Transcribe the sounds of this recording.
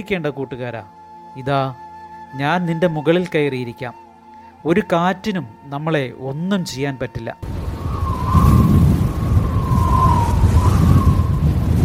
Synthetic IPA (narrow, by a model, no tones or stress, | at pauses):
ikʲːe̞ːɳɖɐkuːʈːuɣaːɾa̰ː | iðaːɲaːnninde̞muɣɐɭilkɐjrijiɾikʲːaːm | o̞ɾukaːtːinumnɐmːɐɭe̞o̞nːumt͡ɕe̞jːaːnpɐtːilːɐ̰